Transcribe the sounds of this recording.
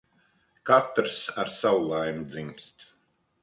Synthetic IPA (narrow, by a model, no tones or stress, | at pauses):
kat̪ɾsaɾsawulˠajmud̪zimst̪